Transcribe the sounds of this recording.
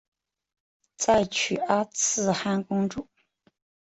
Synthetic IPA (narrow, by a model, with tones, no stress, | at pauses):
t͡sa˥˩ɪt͡ɕʰy˨˩a˥t͡sʰɹ̩˥˧xa˥nkʊ˥ŋʈ͡ʂu˥˩˦